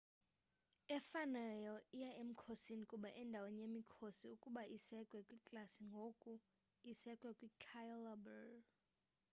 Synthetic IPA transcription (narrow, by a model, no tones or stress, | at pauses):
ɛfanɛjɔijaʔem̩kʰosinikʼuɓaʔɛndʱawenijemikʰosiukʼuɓaʔisɛkʼwɛkʼwikʼlasiŋɡʱokʼu | isɛkʼwɛkʼwikʰajlabɛr